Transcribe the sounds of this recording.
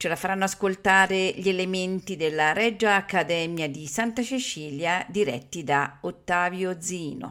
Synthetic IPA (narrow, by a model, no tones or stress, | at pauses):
t͡ʃelafaɾanːoaskolt̪aːɾeʎielement̪id̪elːaɾɛd͡ʒːaːkːad̪ɛmjad̪isant̪asit͡ʃiːljad̪iɾɛ̰t̪ːid̪aot̪ːaːvjod̪ziːno̰